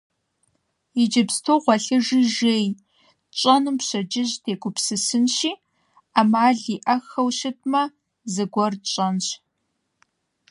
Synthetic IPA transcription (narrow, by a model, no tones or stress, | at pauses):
id͡ʒɐpstʰoːʁʷɔɬɨʒiʒeːj | t͡ʃʼɐnɨmpɕɐd͡ʒɪʑtʰeːɡʷʊpsɨsɨnʃiː | amaːɮiːʔɐxɐwʃɪt̚ʰmɐ | zɨɡʷɔrt͡ʃʼɐnɕ